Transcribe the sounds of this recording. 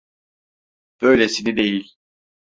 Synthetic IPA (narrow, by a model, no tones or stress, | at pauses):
b̥øjlʲesinid̪e̞jilʲ